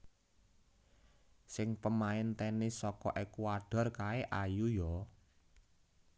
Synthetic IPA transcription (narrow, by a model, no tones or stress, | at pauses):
sɪŋpəmaɪnt̪ɛnesɔkɔʔekuaɖ̥a̤rkaeʔajujɔ